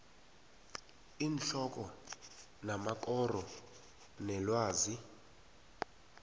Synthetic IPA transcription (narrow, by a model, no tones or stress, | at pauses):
inɬɔk̬ʼɔ | namakʼɔrɔ | nɛlwaːzi